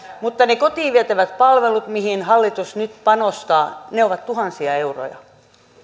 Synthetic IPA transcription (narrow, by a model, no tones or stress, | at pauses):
mut̪ːɑnekot̪iːʋiæt̪æʋæt̪pɑlʋelut̪mihinhɑlːit̪usnyt̪pɑnost̪ɑːneoʋɑt̪t̪uhɑnsiɑeuro̰jɑ̰